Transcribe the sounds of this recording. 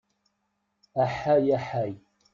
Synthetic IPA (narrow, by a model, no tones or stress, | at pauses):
ʔaħajaħaj